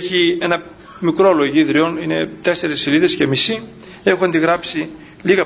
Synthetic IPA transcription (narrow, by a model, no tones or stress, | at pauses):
çie̞nɐ | mikɾolo̞ʝiðɾio̞nine̞t̪e̞se̞ɾesːiliðe̞sce̞misi | e̞xuɐnd̪iɣɾɐpsi | liɣɐ